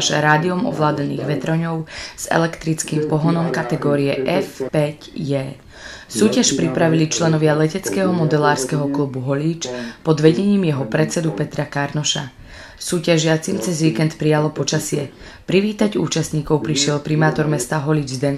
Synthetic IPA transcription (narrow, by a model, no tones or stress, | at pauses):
ʃa̰ɾaːd̪iɔmɔ̰ʋlaːd̪nḭːɣʋɛt̪ɾɔɲɔʊz̥ɛ̰lɛkt̪ɾit͡skiːmpɔɦɔnɔmkat̪ɛɡɔːɾiɛʔɛfpɛcjɛː | suːcaʃpɾipɾaʋilit͡ʃlɛnɔʋɪalɛcɛt͡skɛɦɔmɔd̪ɛlaːɾskɛɦɔkluːbuɦɔliːt͡ʃpɔd̪ʋɛɟɛɲiːmjɛɦɔpɾɛt̪t͡sɛd̪upɛt̪ɾakaɾnɔʃa | suːcaʒɪat͡simt͡sɛzʋiːkɛnt̪pɾijalɔpɔt͡ʃasɪɛ | pɾiʋiːt̪aɟṵːt͡ʃasɲiːkɔʊpɾiʃɪɛlpɾimaːt̪ɔɾmɛst̪aɦɔlid͡ʒzd̪ɛn